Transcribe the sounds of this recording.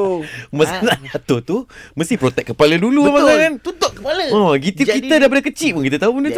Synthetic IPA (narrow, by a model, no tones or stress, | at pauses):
məsanaʔd͡ʒat̪ot̪uməst̪ihpɾot̪ɛk̚əpaləduluamakakant̪ut̪oʔkəpaləɔɡit̪ukit̪ədaipadakət͡ʃiʔ̚pʊnkit̪̬ət̪aupunu